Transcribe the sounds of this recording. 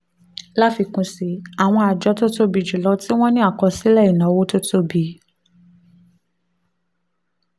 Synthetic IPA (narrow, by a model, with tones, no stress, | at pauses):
la˦fi˧kũ˧si˧˦a˨w̃ɔ̃˧a˨d͡ʒɔ˧˦to˦to˦bi˨d͡ʒu˨lɔ˧˦ti˦w̃ɔ̃˦nĩ˦a˦˨kɔ˧si˦lɛ˦˨i˨nã˨˦wo˦to˦to˦bi˨˦